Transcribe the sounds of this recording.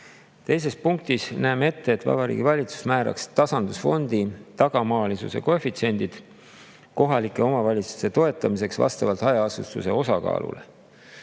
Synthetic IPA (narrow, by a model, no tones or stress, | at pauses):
t̪e̞js̬e̞spuŋk̚t̪isnæːme̞t̪ːe̞ːt̪ːvɑ̰bɑɾḭːɡivɑlʲit̪su̥smæːɾɑ̰kst̪ɑsɑnd̪̥usfo̞nd̪̥it̪ɑɡ̥ɑmɑːlʲisṵsḛkoefit̪sie̞nʲd̪̥id̪̥ | ko̞ɦɑlikːˑe̞o̞mɑvɑlʲit̪su̥se̞t̪o̞e̞t̪ːˑɑmise̞ksvɑ̰st̪ɑvɑlt̪ɑjɑɑsust̪use̞o̞sɑkɑ̰ːlṵlʔe̞̰